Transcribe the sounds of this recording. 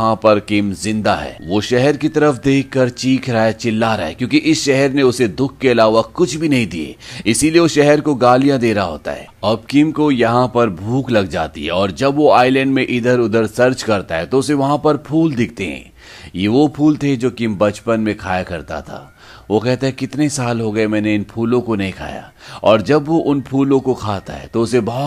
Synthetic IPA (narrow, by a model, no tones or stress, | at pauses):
ɦãpɐɾkɪmzɪ̃nd̪aɦɛ̰ːʋoːʃɛɦɛɾkit̪ɐɾəfd̪eːkʰːɐɾt͡ʃiːkʰɾaɦet͡ʃɪlːaɾɐɦɛkjõːkiʔɪsʃɛɦɛɾneʊsed̪ʊkʰːeɐlaːʋakʊt͡ʃʰbʱinɐɦĩd̪iḛːɪsilieʋoʃɛɦɛɾkoɡaːlijãd̪eːɾaɦo̰ːt̪a̰ɦɛ̰ːɐb̚kɪmkojɐɦãpɐɾbʱuːklɐɡ̚d͡ʒa̰ːt̪ḭɦɛɔːɾd͡ʒɐbʋoaːɪlɛ̃ɳɖmẽʔɪd̪əɾʊd̪əɾsɐɾt͡ʃkɐɾt̪aɦɛt̪oʊseʋɐɦãpɐɾpʰuːld̪ɪkʰt̪eɦɛ̰̃ː | jeʋopʰuːlt̪ʰed͡ʒoːkɪmbɐt͡ʃpənmẽkʰaːjakɐɾt̪a̰t̪ʰa̰ː | ʋokɛɦt̪aɦɛkɪt̪nesaːlɦoɡɐemɛ̃ːneɪnpʰuːlõkonɐɦĩkʰa̰ːja̰ː | ɔːɾd͡ʒɐbʋoʔʊnpʰuːlõkokʰaːt̪a̰ɦɛ̰t̪oʊsebɔɦ